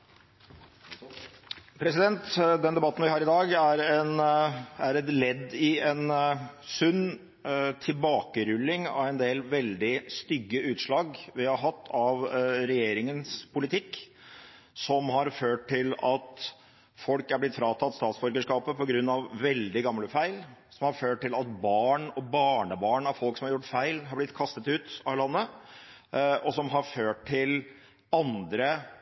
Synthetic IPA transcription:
pʰɾɛsɪd̪ɛnt̪d̪ɛnd̪ɛbɑt̪ːn̩ʋɪhɑːɾɪd̪ɑːɡæɾɛnæɾɛt̪lɛd̪ːɪɛnsʉnː | t̪ʰɪlbɑːkəɾʉlːɪŋɑ̰ɛnd̪eːlʋɛld̪ɪst̪ʏɡːəʔʉːt̪ʂɭɑːɡʋɪhɑɾɦɑt̪ʰːɑʋɾɛjeːɾɪŋənspʰʊlɪt̪ʰɪkː | sɔmɦɑɾføːʈ̚ʰɪlɑt̪ | fɔlkæɾblɪt̪fɾɑːt̪ʰɑt̪ːst̪ɑːt̪sbɔɾkəʂkɑːpəpɔɡɾʉnːɑʋːɛld̪ɪɡɑmləfæɪlsɔmhɑɾføːʈʈːɪlɑt̪̚bɑːɳɔbɑːɳəbɑːɳɑʋfɔlksɔmhɑɾjʊʈːfæɪlɦɑɾblɪt̪ːkʰɑst̪ət̪ʉːt̪ɑlɑnːə | ɔsɔmɦɑɾføːʈ̚ʰːɪl | ɑnd̪ɾə

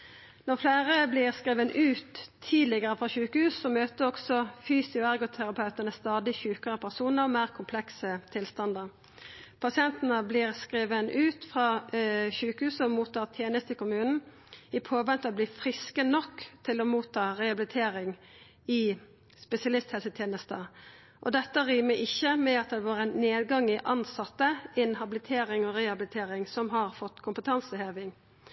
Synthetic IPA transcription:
nɔʁflæːʁəblɪʁskiːʋənʔʉːt̪ʰːiːd̪lɪɡəʁəfʁɑçʉːkəhʉːssɔmøːt̪əɔɡsɔfyːsɪʊæʁɡʊt̪ʰæʁɑpʰɑʉt̪ənəst̪ɑːd̪ɪçʉːkəʁəpʰæʁsuːnəɾɔmæːʁkʰʊmpʰlɛksət̪ʰɪlst̪ɑnd̪əʁ | pʰɑsɪɛnt̪ənəbliːʁskʁiːʋənʔʉːt̪fʁɑːçʉːkəhʉːsəɔmuːt̪ʰːɑːʁt̪ʰjeːnəst̪ɪkʰʊmʉːnn̩ | ɪpʰoːʋɛnt̪əɔbliːfʁɪskənɔkːt̪ʰɪlɔmuːt̪ʰːɑːʁɛhɑbɪlɪt̪ʰeːʁɪŋ | ɪ | spɛsɪɑlɪst̪hɛlsət̪ʰjeːnəst̪ə | ʔɔ̰d̪ɛt̪ːəʁiːməʔɪçːəmɛɑt̪̚d̪ɛʋɑːʁənneːd̪ɡɑŋɪʔɑnsɑt̪ːəɪnɦɑbɪlɪt̪ʰeːʁɪŋɔɾɛɑblɪt̪ʰeːʁɪŋsɔmɦɑʁfɔt̪ːkʰʊmpət̪ʰɑnsəheːʋɪŋ

